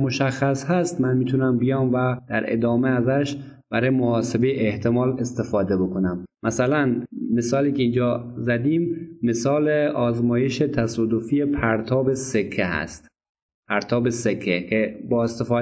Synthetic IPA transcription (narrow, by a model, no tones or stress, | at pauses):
moʃæxːæshæst̪mænmiːt̪ʰunæmbijɒːmvæd̪̥æɾḛd̪ɒːmeæzæʃb̥æɾɒːjemohɒːsebejeʔːht̪ʰe̞mɒːlest̪e̞fɒːd̪e̞bo̞kʰonæmmʔæsælænmesɒːliːkeiːnd͡ʒɒːzæd̪iːmːesɒːleʔɒːzmɒːje̞ʃet̪ʰæsɒːd̪ofiepʰæɾt̪ʰɒːbe̞sekʰːehæ̰st̪ | pʰæɾt̪ʰɒːbesekʰːekʰebɒːest̪efɒː